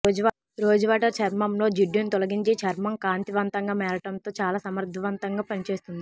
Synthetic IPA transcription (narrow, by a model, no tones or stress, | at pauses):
ɾoːd͡ʒɐʋaːʈɐɾt͡ʃʰɐɾmɐmlo̞ːd͡ʒiɖjunit̪ɔlɐɡiɲt͡ʃit͡ʃʰɐɾmɐmkaːnt̪iʋɐnt̪ɐŋɡaːmɛːɾɐʈɐnt̪o̞ːt͡ʃaːlaːsɐmɐɾd̪ʱɐʋɐnt̪ɐŋɡaːpɐnit͡ʃe̞ːst̪und̪i